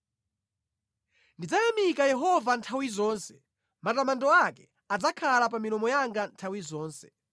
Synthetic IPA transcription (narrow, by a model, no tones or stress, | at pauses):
ndid͡zajamikajɛɦɔvantʰawizɔːnsɛ̥ | matamandɔakɛ | ad͡zakʰalap̬aminɔmɔjaŋɡantʰawizɔːnsɛ̥